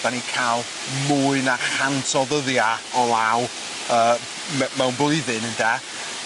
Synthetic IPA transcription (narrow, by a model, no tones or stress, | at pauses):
d̥anikʰaːlˠ | muːɨnarhantʰɔðəðjaɔlˠaw | əː | mɛmɛwnbʊɨðɨnənda